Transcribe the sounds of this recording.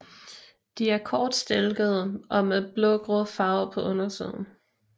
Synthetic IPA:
d̥iæɐkʰɒːd̥sd̥elɡ̥əð̩ˠəʔɒ̽meðˠb̥lɔ̽ɡ̥ʁɔðˠfɑ̈ːʊpʰɒ̽ʔɔnɐsḭð̞̰ˠn̩

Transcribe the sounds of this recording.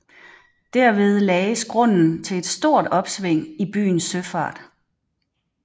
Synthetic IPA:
d̥æɐ̰ʋe̝ð̞ˠlɛːɪəsɡ̥ʁɔ̽n̰n̩t͡sʰe̝le̝d̥sd̥o̝ɐ̰d̥ɒ̽b̥sʋeŋ̰ib̥y̰ːn̩søfɑ̰̈ːd̥

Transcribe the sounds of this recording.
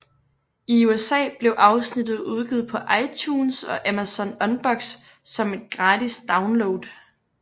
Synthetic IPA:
iuesɛ̰ːb̥le̝ʊʔɑ̈ʊsnid̥ð̩ˠuð̞ˠɡ̥ið̩ˠpʰɒ̽ʔɑ̈ɪt͡ɕʰuːnsɒ̽ʔæmæsɒ̽nɒ̽nb̥ɒ̽ɡ̥sː | ɒ̽me̝d̥̚ɡ̥ʁɑ̈ːdisd̥ɑ̈ʊnloʊd̥

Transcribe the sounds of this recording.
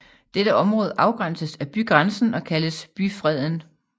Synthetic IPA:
d̥eɾ̥əɒ̽mʁɔ̽ːð̞ˠəʔɑ̈ʊɡ̥ʁan̰səsæb̥yɡ̥ʁansn̩ɒ̽kʰæləsb̥yfʁɛð̞̰ˠən

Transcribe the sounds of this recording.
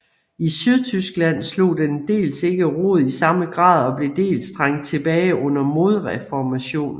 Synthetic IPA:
isyð̞ˠt͡sʰysɡ̥læn̰slo̝̰ːd̥end̥e̝̰ːlse̝ɡ̥əʁo̝ð̩̰ˠisɑ̈məɡ̥ʁɑ̰̈ːðˠɒ̽b̥le̝d̥e̝̰ːlsd̥ʁɑŋ̰d̥̚t͡sʰe̝b̥ɛːɪʔɔ̽n̰ɐmo̝ð̞ˠʁɛfɒmæɕo̝̰ːn

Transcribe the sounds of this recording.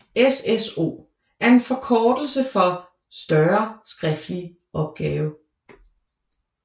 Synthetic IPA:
eseso̝̰ː | ʔæɐe̝nfɒ̽kʰɒːd̥l̩səfɒ | sd̥ɶɐsɡ̥ʁɛfd̥li | ʔɒ̽b̥̚ɡ̥ɛːʊ

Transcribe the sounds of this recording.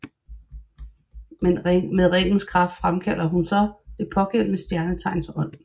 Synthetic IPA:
meðˠʁeŋ̰n̩skʰʁɑ̈fd̥fʁamkʰæl̰ɐɦunsɒ̽d̥e̝pʰɒ̽ɡ̥en̰mesd̥jæɐnət͡sʰɑ̈ɪnsʰɒ̽n̰̩

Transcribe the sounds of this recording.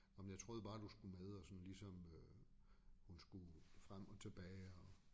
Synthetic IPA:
ɒmjat͡sʰʁo̝ːðˠb̥ɑ̈ːd̥usɡ̥umeðˠɒsɒ̽nlisɒ̽mø | hunsɡ̥ufʁam̰ɒ̽t͡sʰe̝b̥ɛːɪɒ̽

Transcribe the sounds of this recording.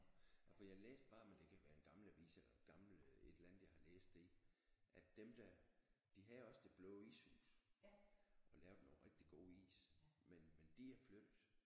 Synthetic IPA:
fɒjɑhɑlḛːsd̥b̥ɑ̈ːmend̥e̝kʰæʋæːɐenɡ̥ɑ̈ml̩æʋḭːselɐɡ̥ɑ̈ml̩e̝d̥elænð̩ˠjɑ̈ɪhɑ̈lḛːsd̥d̥e̝iʔæd̥emd̥æd̥iɦæɒ̽sd̥e̝b̥lɔʊḭːshṵːs | ʔɒ̽lɛːʊd̥no̝ːʁɛɡ̥d̥iɡ̥o̝̰ːḭːsmenmend̥iæɐfløðd̥̩ˠ

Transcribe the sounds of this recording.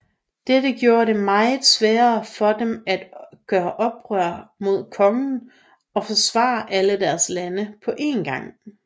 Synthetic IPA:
d̥edəɡ̥jo̝ːɐɾe̝mɑ̈ɪð̩ˠsʋæːɐfɒ̽demæd̥ɡ̥ɶːɐʔɒ̽b̥ʁœɐ̰mo̝ð̞̰ˠkʰɒ̽ŋən̩ | ɒ̽fɒ̽sʋɑ̰̈ːʔæləd̥æɐslænəpʰɒ̽ʔe̝̰nɡ̥ɑ̈ŋ̰

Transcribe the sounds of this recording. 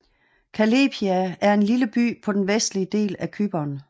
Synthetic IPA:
kʰæleːbʰiææɐe̝nliləb̥y̰ːpʰɒ̽d̥enʋesd̥liəd̥e̝̰ːlækʰyb̥ɐːn

